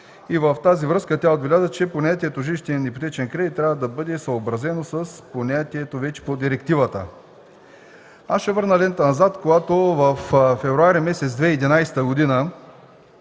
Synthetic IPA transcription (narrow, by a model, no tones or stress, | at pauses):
ivəft̪azivɾɤskət̪ʲjaod̪̚vlʲazət͡ʃɛponʲat̪ʲiɛt̪oʒilʲiʃt̪ɛnipot̪ɛt͡ʃɛnkɾɛit̪t̪ːɾʲavəd̪ɐbɤd̪ɛsɐobɾɐzɛnosəsponʲat̪iɛt̪ovɛt͡ʃɛ̥pod̪iɾɛkt̪ivət̪ə̰ | asʃɛvɤɾnɐlɛnt̪ənɐzat̪koɡat̪ovəffɛvɾuaɾimɛsɛt̪zd̪vɛːd̪inajst̪əɡod̪inə